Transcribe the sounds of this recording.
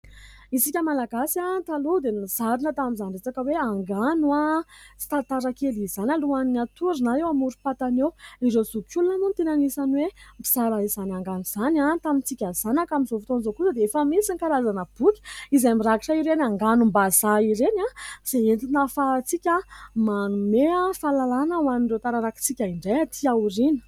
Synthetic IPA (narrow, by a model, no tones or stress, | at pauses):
isikʲəmalaɡasiat̪alud̪emiz̥aɾunət̪amizanɳɖ͡ʐet͡sakəweaŋɡanuat͡si̥t̪at̪aɾakeliz̥analuaninat̪uɾinaewamuɾupat̪anewiɾewzukʰulunanot̪enanisanwempi̥saɾaizanʲaŋɡanuz̥anʲat̪amint͡sikʲaz̥anakaminzofi̥t̪onizokusəd̪eefəmisinkaɾazanəb̥ukʲi̥izajmiɾaɡiʈ͡ʂaiɾenaŋɡanumbazaiɾenaz̥eent̪inafat͡sikʲamanumeafalalanəwaniɳɖ͡ʐewt̪aɾaɾaki̥t͡sikʲaiɳɖ͡ʐajat̪ʰiaɾinə̥